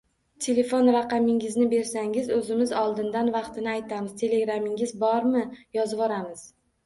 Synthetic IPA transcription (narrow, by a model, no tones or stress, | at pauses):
t̪ʰe̞le̞fonɾɑqɑmɪŋɪznɪbe̞ɾsaŋɪzɵzɪmɪzɒlˠd̪ɪnd̪anvɑqt̪ʰɪnɪajt̪ʰamɪzt̪ʰe̞le̞ɡɾamɪŋɪzbɒɾmɪjɒzvɒɾamɪz̥